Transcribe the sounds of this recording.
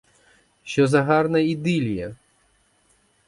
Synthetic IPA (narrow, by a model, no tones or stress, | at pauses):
ʃt͡ʃɔzɐɦɑrnɐid̪ɪlʲjɐ